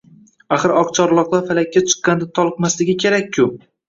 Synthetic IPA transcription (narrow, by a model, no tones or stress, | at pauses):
aχɨɾɒqt͡ʃʰɒɾlˠɒqlˠaɾfalakʲːat͡ʃʰɨ̥qːɑnd̪at̪ʰɒlˠqmaslɪɡʲɪkʲʰe̞ɾakʲʰːʊ